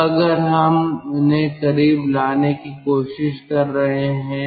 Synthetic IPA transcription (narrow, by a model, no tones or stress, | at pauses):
ɐɡəɾɦɐmʊnɦẽkɐɾiːblaːnekikoːʃɪʃkɐɾːɐɦeɦɛ̃ː